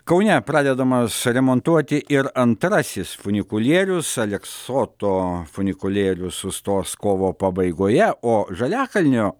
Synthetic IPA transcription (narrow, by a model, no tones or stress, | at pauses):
kɐʊnʲɛpɾɑːd̪ʲɛd̪ɐmɐsɾʲɛmoːnt̪uɔt̪ʲɪʔɪɾɐnt̪ɾɑsʲɪsfʊnʲɪkʊlʲeːɾʲʊsɐlʲɛkssoːt̪oːfʊnʲɪkʊlʲeːɾʲʊsʊst̪oːskoːʋoːpɐbɐɪɡoːjɛoːʒɐlʲæːkɐlʲnʲoː